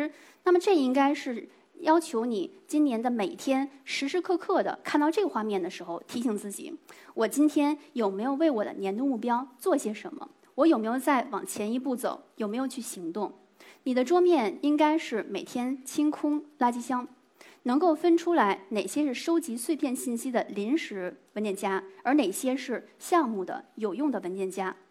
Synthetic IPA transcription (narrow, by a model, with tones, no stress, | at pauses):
na˥˩mə˩ʈ͡ʂɤ˥˩i˥ŋka˥ɪʂɻ̩˥˩ | jɑ˥ʊt͡ɕʰjo˧˥ʊni˨˩˦t͡ɕi˥nnjɛ˧˥nd̪ə˧me˨˩ɪt̪ʰjɛ˥nʂɻ̩˧˥ʂɻ̩˥kʰɤ˥˧kʰɤ˥˩d̪ə̰˩kʰa˥˧nt̪ɑ˥˧ʊʈ͡ʂɤ˥˩ɡə˩xwa˥˧mjɛ˥˩nd̪ə˩ʂɻ̩˧˥xo˥˧ʊt̪ʰi˧˥ɕi˧˥ŋt͡sɹ̩˥˩t͡ɕḭ˨˩˦wɔ˨˩t͡ɕi˥nt̪ʰjɛ˥njo˨˩ʊme˧˥ɪjo˨˧ʊwe˥˩ɪwɔ˨˩d̪ə̰˦njɛ˧˥nt̪u˥˧ŋmu˥˩pjɑ˥ʊt͡swɔ˥˩i˧˩ɕjɛ˥ʂə̰˧˥nmə̰˧ | wɔ˧˥jo˨˩ʊme˧˥ɪjo˥˧ʊt͡sa˥˩ɪwɑ̰˨˩ŋt͡ɕʰjɛ˧˥ni˧˥p̬u˥˩t͡so̰˨˩˦ʊjo˨˩ʊme˧˥jo˨˩ʊt͡ɕʰy˥˩ɕi˧˥ŋt̪ʊ˥˩ŋ | ni˨˩d̪ə˦ʈ͡ʂwɔ˥mjɛ˥˩ni˥ŋka˥ɪʂɻ̩˥˩me˨˩ɪt̪ʰjɛ˥nt͡ɕʰi˥ŋkʰʊ˥ŋla˥t͡ɕi˥ɕjɑ˥ŋ | nɤ˧˥ŋko˥˩ʊfə˥nʈ͡ʂʰu˥la˧˥ɪne˨˩ɪɕjɛ˥ʂɻ̩˥˩ʂo˥ʊt͡ɕi˧˥swe˥˧ɪpʰjɛ˥˧nɕi˥˩nɕi˥d̪ə˨li˧˥nʂɻ̩˧˥wə˧˥nt̪jɛ˥˩nt͡ɕja˥ə˞˧˥ne˨˩ɪɕjɛ˥ʂɻ̩˥˧ɕjɑ˥˧ŋmu˥˩d̪ə̰˩jo˨˩ʊjʊ˥˩ŋd̪ə˩wə˧˥nt̪jɛ˥˩nt͡ɕja˥